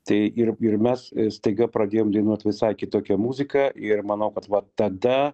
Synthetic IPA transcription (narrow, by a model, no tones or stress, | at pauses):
t̪ɐɪʔɪrɪrmʲɛsst̪ɐɪɡɐpɾɐd̪ʲeːjoːmd̪ʲɛɪnuɔt̪ʲʋʲɪsɑɪkʲɪt̪oːkʲɛmuːzʲɪkɐʔɪrmɐnɐʊkɐt̪ʋɐt̪ɐd̪ɐ